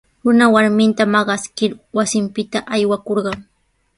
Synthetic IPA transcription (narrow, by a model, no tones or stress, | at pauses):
ɾʊnawaɾmɪnt̪amɑɢɑskɪɾwasɪmpɪt̪aʔajwakoɾɢɑŋ